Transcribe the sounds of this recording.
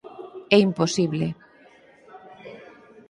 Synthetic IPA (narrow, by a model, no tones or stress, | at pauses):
ɛimposiβle